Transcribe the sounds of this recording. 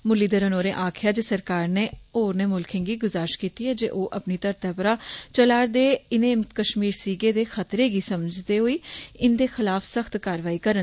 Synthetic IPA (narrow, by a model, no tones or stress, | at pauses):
mʊlːiːd̪əɾənoːɾẽːʔaːkʰɪjaːd͡ʒeːsəɾkaːɾneːoːɾneːmʊlkʰɪ̃nɡiːɡʊzaːɾɪʃkiːt̪iːɛːd͡ʒḛːʔoːʔəpniːt̪əɾt̪ɛːpəɾaːt͡ʃəlaːɾd̪eːɪnẽːkəʃmiːɾsiːɡeːd̪eːxʰət̪ɾeːɡiːsəməd͡ʒd̪eːɦoːiːɪnd̪eːxɪlaːfʰsəxt̪kaːɾʋaːiːkəɾən